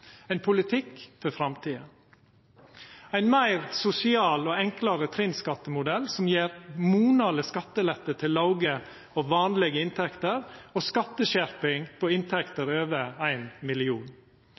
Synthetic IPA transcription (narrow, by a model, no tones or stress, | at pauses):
æɪnpʰʊlɪt̪ʰɪkːfɔɾfɾɑmt̪ʰiːə | æɪnmæɪɾsʊsɪɑːloːɛŋkləɾət̪ʰɾɪnskɑt̪ːəmʊd̪ɛlsɔmjeːɾmuːnɑləskɑt̪ːəlɛt̪ːət̪ʰɪlːɑʊɡə | oːʋɑːnlɛɡəɪnt̪ʰɛkt̪əɾoːskɑt̪ːəʃæɾpɪŋpʰoːɪnt̪ʰɛkt̪əɾøːʋəæɪnmɪlɪuːn